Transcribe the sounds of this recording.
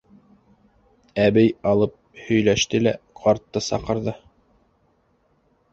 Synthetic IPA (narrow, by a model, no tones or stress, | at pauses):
æbɘjɑlˠɤp̚hɵ̆jlæʃt̪ɘlæqʰɑɾt̪ːɤsɑ̰qɤ̆ɾðɤ